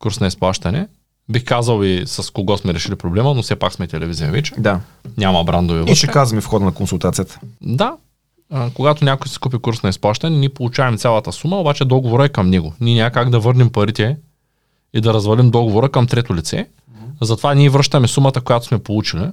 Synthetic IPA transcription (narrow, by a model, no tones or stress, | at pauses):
kuɾsnɐisplˠaʃt̪ɐnɛ | bixkazɐlˠisɐskoɡɔsmɛɾɛʃilipɾoblɛmənofsɛpaksmɛt̪ɛlɛvizijɐvɛt͡ʃɛ̥d̪a | nʲamɐbɾand̪ɐvivʃɛkazɐmifxɔd̪ənɐkonsulˠt̪at̪sijət̪ə̥d̪a | koɡat̪onʲjakojsɛ̥kup̬ikuɾsnɐisplˠaʃt̪ɐnɛniɛpolˠut͡ʃavɛmt̪sʲalˠɐt̪əsuməobat͡ʃɛd̪ɔɡovoɾəɛkɐmnɛɡʊnʲiɛnʲaɐkaɡd̪ɐvɤɾnɛmpɐɾit̪ɛ | id̪ɐɾɐzvɐlimd̪ɔɡovoɾəkɐmt̪ɾɛt̪ʊlit̪sɛ̰ | zɐt̪ovanʲiɛvɾɤʃt̪ɐmɛsumɐt̪əkojat̪o̥smɛpolˠut͡ʃili